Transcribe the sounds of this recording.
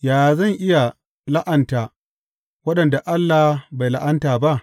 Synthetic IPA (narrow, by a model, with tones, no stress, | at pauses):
jaː˨zɐ˦˨ŋʔɪ˦ja˨ | la˦ʔɐ˨ntaː˨ | wɐ˦ɗɐ˨nda˨ʔa˦lːaː˨hba˨jla˦ʔa˦ntaː˨ba˦ʔ